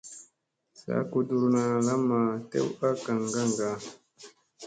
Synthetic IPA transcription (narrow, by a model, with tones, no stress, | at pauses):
sa̰˦ku˨du˨ɾna˨la˦ma˨tḛ˦wa˦ka˨ŋɡa˦ŋɡa˨